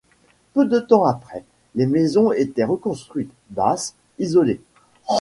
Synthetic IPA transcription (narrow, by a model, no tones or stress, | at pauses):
pød̪ət̪ɑ̃apχɛ | lemezɔ̃et̪ɛʁəkɔ̃st̪χɥit̪ | bas | izɔle